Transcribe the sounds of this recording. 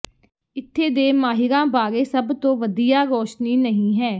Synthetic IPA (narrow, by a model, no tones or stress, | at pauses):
ɪt̪ʰːeːd̪eːmaːɦɪɾãːbaːɾeːsəbt̪õːʋəd̪ijaːɾɔːʃniːnəɦĩːɦɛː